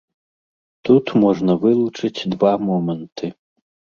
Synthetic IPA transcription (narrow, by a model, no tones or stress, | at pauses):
t̪ut̪mɔʐnɐvɨlˠut͡ʂɨt͡sʲd̪vamɔmɐnt̪ʰɨ